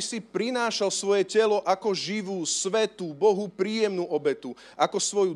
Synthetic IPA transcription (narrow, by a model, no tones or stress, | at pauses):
sipɾinaːʃalsʋɔjɛcɛlɔʔakɔʒiʋuːsʋɛt̪uːbɔɦupɾiːjɛmnuːʔɔbɛt̪u | ʔakɔsʋɔju